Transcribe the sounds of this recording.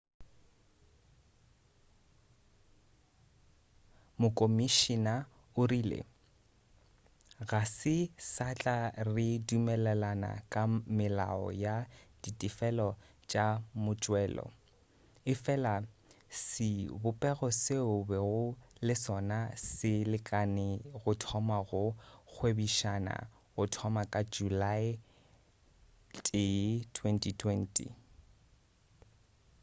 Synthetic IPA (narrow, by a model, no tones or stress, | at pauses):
mʊkʼomiʃina | ʊriːlɪ̰ | ɣasɪsat͡ɬʼarɪdumɛlɛlana̰kʼamɪla̰ɔ̰jad̥itʼifɛlɔ | t͡ʃʼamʊt͡ʃʼwɛːlɔ̰ | ɪfɛlasɪbʊpʼɛɣɔseʊbɛɣʊlɪsɔnasɪlɪkʼanɪɣʊtʰɔmaɣʊk͡xʰwebiʃana̰ | ɣʊtʰɔmakʼad͡ʒulaɪ | tʼɪtʰwɛntʼitʰwɛntʼḭ